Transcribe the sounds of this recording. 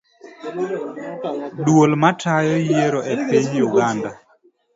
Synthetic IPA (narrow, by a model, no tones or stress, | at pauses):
dwolmatʰajɔjeɾoʔepiɲjuɡanda